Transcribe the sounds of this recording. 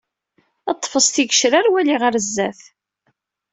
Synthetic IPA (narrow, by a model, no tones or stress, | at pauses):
ɑt̪ˤːfəsˤt̪iɡəʃɾaɾwæliʁəɾzːæθ